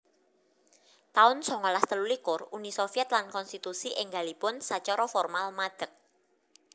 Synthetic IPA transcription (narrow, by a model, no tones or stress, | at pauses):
t̪aʊnsɔŋɔlast̪əlulikʊrunisofiɛt̪̚lankɔnst̪it̪usiʔɪŋɡa̤lipʊnsat͡ʃɔɾɔfɔrmalmad̪̥ə̤k̚